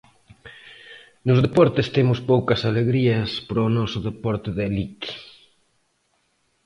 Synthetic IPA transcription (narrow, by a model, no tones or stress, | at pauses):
nʊzðepɔɾt̪est̪emʊspowkɐsaleɣɾiɐspɾonɔsʊðepɔɾt̪ɪðeliki̥